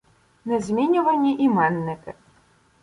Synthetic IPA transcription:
nɛzʲmʲinʲʊvɐnʲːiʔimanːɪkɨ

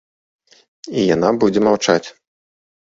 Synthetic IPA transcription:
ijanabud͡zʲɛmawt͡ʂat͡sʲ

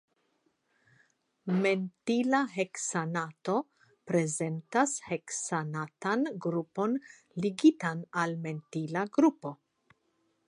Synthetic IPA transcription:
me̞ntilaɦe̞ksanato̞ | pɾe̞ze̞ntashe̞ksanatanɡɾupo̞n | liɡitanalme̞ntilaɡɾupo̞

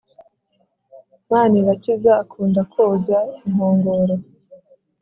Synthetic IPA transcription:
maːniβatizaːkʰuːndakʰoːzaim̥hoːŋɡoːɾo

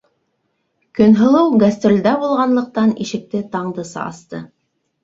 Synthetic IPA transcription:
kɵ̆nɦɤ̆lˠɤwɡɐst̪rʲolʲd̪æbulˠʁɑnlˠɤ̆q̚t̪ɑniʃɘ̆k̚t̪ɘt̪ɑɴd̪ɤsɑ̰ɑ̰st̪ɤ̰

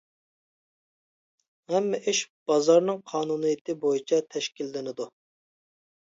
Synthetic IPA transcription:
hɛmːɛʔiʃb̥ɑzɑɾnɨŋqʰɑːnunɨjit̪ʰɨbojit͡ʃʰɛt̪ʰɛʃkʲilːɪnɪd̪u

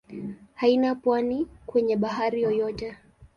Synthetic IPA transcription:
hainapwanikwɛɲɛɓaɦaɾijɔjɔtɛ

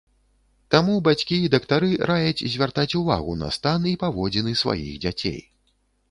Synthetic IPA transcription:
t̪amubat͡sʲkʲiid̪ɐkt̪aɾɨɾajɐt͡sʲzʲvʲart̪at͡sʲuva̰ɣunɐ̰st̪anipavɔd͡zʲɛnɨsva̰jḭɣd͡zʲat͡sʲḛj

